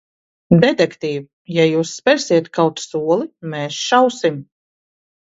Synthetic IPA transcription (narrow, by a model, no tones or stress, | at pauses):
d̪ɛt̪ɛkt̪iːv | jajuːsːpʲɛɾsiɛt̪kʰawt̪suɔlˠimɛːsʃawsim